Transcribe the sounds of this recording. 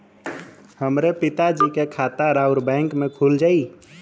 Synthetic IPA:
həmɾepit̪ad͡ʒikekʰat̪aɾauɾbɛ̃ŋkmekʰuld͡ʒai

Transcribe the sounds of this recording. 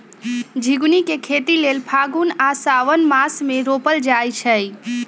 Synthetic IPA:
d͡ʒʱiɡunikekʰet̪ilelpʰaɡunasaʋənmasmeɾopəld͡ʒajt͡ʃʰəj

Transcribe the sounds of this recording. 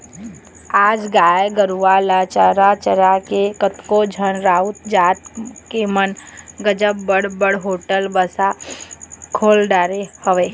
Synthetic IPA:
aːd͡ʒɡaːjɡəɾuʋalaːt͡ʃaɾat͡ʃəɾakekət̪kod͡ʒʱənɾaːʊt̪d͡ʒaːt̪kemənɡəd͡ʒəbbəɽbəɽɦoːʈəlbəsa | kʰoːlɖaːɾehəʋeː

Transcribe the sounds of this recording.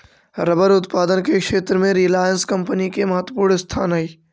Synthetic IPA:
ɾəbəɾʊt̪paːd̪ənkekʃeːt̪ɾmẽɾiəlaːjənskɐ̃mpənikemɐɦət̪wəpuːɾɳəst̪ʰaːnɦɐiː

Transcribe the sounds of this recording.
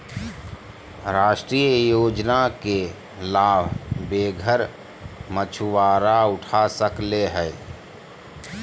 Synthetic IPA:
ɾaːʃʈɾiːjəjoːd͡ʒnake | laːbʱbeːɡʱəɾ | mət͡ʃʰʊʋaːɾaʊʈʰasəkleɦɛː

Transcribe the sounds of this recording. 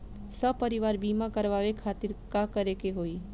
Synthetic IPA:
səpəɾiʋaːɾbiːmakəɾʋaːʋekʰaːt̪ɪɾkakəɾekeɦoːi

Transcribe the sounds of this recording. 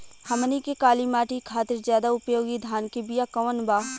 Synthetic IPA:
hɐmnikekaːlimaːʈikʰaːt̪ɪɾzjaːd̪aʊpjoːɡid̪ʱaːnkebijakɐʋənbaː

